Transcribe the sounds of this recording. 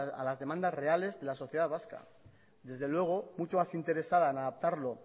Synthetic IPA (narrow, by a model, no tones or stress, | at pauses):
a̰lazðe̞mãnd̪asre̞ale̞zðe̞laso̞θjeðaðβaska̰ | d̪e̞zðe̞lwe̞ɣ̞o̞mut͡ʃo̞masint̪e̞ɾe̞saðaenaðap̚t̪aɾlo̞